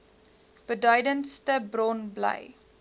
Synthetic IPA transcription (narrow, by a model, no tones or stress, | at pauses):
b̥ədœɥdənstəbrɔnblə̰j